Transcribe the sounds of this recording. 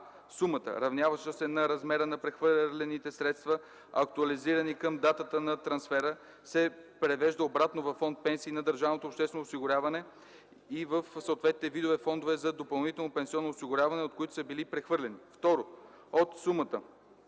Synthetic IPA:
sumət̪ə̰ɾɐvnjavəʃəsɛnɐɾɐzmɛɾənɐpɾɛxvəɾlʲɛnit̪ɛsɾɛt̪st̪vɐ | ɐk̚t̪uɐliziɾənikəmd̪at̪ət̪ənɐt̪ɾɐnsfɛɾə | sɛpɾɛvɛʒd̪əobɾat̪novɐfːɔnt̪̚pɛnsiːnɐd̪əɾʒavnot̪opʃt̪ɛsvɛnoʊsiɡʊɾʲavɐnɛ | ivəfsoot̪vɛt̪nit̪ɛvid̪ovɛfɔnd̪ovɛzɐd̪opɐlˠnit̪ɛlˠnopɛnsiɔnːoːsiɡʊɾʲavɐnɛot̪̚koit̪ʊ̥səbilipɾɛxvɤɾlʲɛnift̪ɔɾo | ot̪sumət̪ə

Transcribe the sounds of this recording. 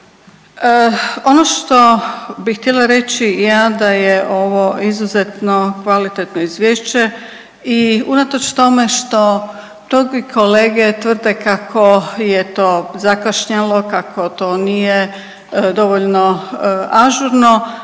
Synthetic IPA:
o̞noʃt̪obixt̪ʲjelaɾe̞t͡ɕijad̪ajeʔo̞ʋo̞izuzet̪no̞kʋalit̪et̪noizʋjeːʃt͡ɕe | iunat̪ot͡ʃt̪o̞me̞ʃt̪o̞ | t̪oɡikʰo̞le̞ːɡet̪ʋr̩d̪e̞kakʰo̞jet̪o̞ːzakaʃɲalo̞kakʰo̞t̪o̞ːnije | d̪o̞ʋoʎnoaʒuɾno

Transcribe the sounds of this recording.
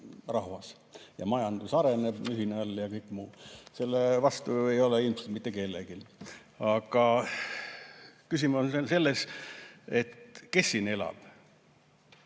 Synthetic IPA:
rɑɦvɑs | jɑ̰mɑjɑnd̪̥usɑɾeneb̥yɦineɑljɑkɤjkˑmuːse̞lːevɑst̪ue̞jo̞leilmselt̪mit̪ːeke̞lːḛɡ̥il | ɑɡ̥ɑ | kysimoese̞lːes | e̞t̪ke̞sːine̞lɑ̰b̥

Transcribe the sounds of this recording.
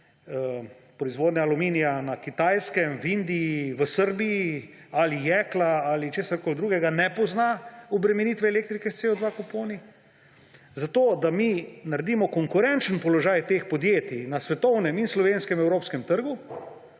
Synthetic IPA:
ə | pɾɔizʋoːd̪nɲaːluminijanakit̪ajskɛmʋind̪iiʋəsəɾbiji | alijɛːklaalit͡ʃeːsaɾkoːld̪ɾuːɡɛɡanɛpɔznaɔbɾɛmɛnit̪ʋɛːleːk̚t̪ɾikɛst̪seod̪ʋakopoːni | zat̪oːd̪aminaɾd̪iːmɔkɔŋkʊɾɛnt͡ʃənpɔlɔʒaːjt̪eːxpɔd̪jeːt̪inasʋɛt̪ɔwnɛminslɔʋenskɛmɛwɾoːpskɛmt̪əɾɡu

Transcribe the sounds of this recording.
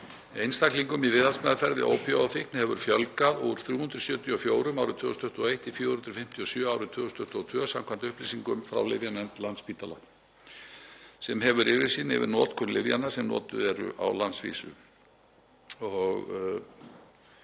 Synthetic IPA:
ejnst̪akliŋkʏmivɪðansmɛːðafɛɾðɪ̰ʔo̰ːwpʰjɔwafɪknhɛvʏɾ̥fjœlkaðuɾ̥θɾjuːhʏnt̪ɾʏ̥sjœːt̪iɔfjoːwɾʏmawɾʏt̪ʰvʏːɣʏst̪ʰʏht̪uɔejht̪ifjuːhʏnɾʏfɪm̥t̪ʰiɔsjœːaːwɾʏt̪ʰvʏːɣst̪ʰʏht̪ɔt̪ʰvœːsamkʰvant̪ʏhplisiŋkʏmfɾa̰wlɪvjanɛnt̪lant̪spiːt̪ala̰ | sɛmɦɛvʏɾɪvɪɾ̥siːnɛ̰vɪ̰ɾnɔːt̪kʰʏnlɪvja̰nːasɛmnɔ̰ːt̪ʏɛɾʏ̰ʔa̰wlansvḭːsʏ̰ | ɔɣ

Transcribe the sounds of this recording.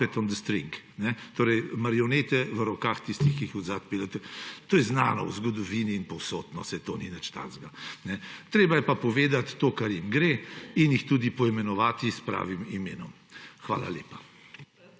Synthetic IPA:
ɛt̪ɔnd̪əst̪ɾḭŋk | nɛt̪oːɾɛjmaɾiɔneːt̪ɛʋəɾɔkaxt̪ist̪ixkiixɔzaːt̪̚peːlɛt̪t̪oːjɛznaːnɔ̰wzɡɔd̪ɔʋiːniːnpɔwso̰t̪nɔst̪ɛt̪oninət͡ʃt̪a̰nzɡanɛt̪ɾeːbajɛpapɔʋeːd̪at̪ːoːkaɾjimɡɾeːinjixt̪uːd̪ipɔimɛnɔʋaːt̪ispɾa̰ːʋimimeːnɔm | xʋa̰ːla̰ljeːpa

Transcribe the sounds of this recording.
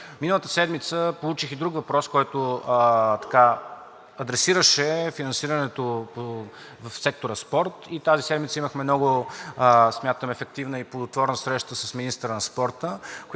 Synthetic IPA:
minəlˠət̪ə̥sɛd̪mit̪səpolˠut͡ʃixid̪ɾukvɐpɾɔskɔjt̪ʊət̪ɐ̥ka | ɐd̪ɾɛsiɾəʃɛfinɐnsiɾənɛt̪opo | vəfsɛk̚t̪oɾəspɔɾt̪it̪azisɛd̪mit̪səiməxmɛmnɔɡʊ | smʲjat̪əmɛfɛk̚t̪ivnəiplˠod̪ot̪vɔɾnəsɾɛʃt̪əsəsminist̪ɾənɐspɔɾt̪ək

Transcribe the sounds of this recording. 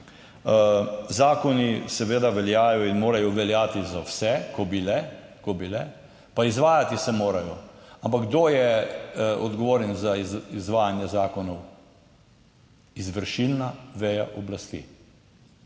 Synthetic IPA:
zaːkɔnisɛʋeːd̪aʋɛljaːjɔinmoːɾajɔʋɛljaːt̪izawsɛkɔbilɛkɔbilɛ | paizʋaːjat̪isɛmoːɾajɔampaɡɡd̪ojɛ | ɔ̰d̪ɡɔʋoːɾɛnzaizʋaːjanjɛzaːkɔnɔw | izʋəɾʃilnaʋɛːjaʔɔblast̪ḭ

